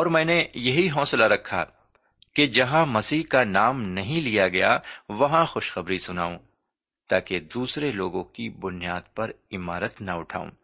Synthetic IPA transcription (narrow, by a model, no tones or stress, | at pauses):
ɔːɾmɛ̃ːnejɐɦiɦɔːslaɾɐkʰːa̰ | ked͡ʒɐɦãmɐsiːɦkanaːmnɐɦĩlijaɡɐjaʋɐɦãxʊʃxɐbɾisʊna̰ːũː | t̪aːked̪uːsɾeloːɡõkibʊnijaːd̪̚pɐɾɪmaːɾət̪nɐʊʈʰa̰ːõ̰ː